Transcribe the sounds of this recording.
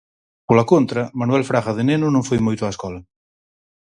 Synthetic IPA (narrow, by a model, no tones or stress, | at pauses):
polakont̪ɾɐmanwɛlfɾaɣaðenenʊnõŋfojmojt̪ʊaeskɔlɐ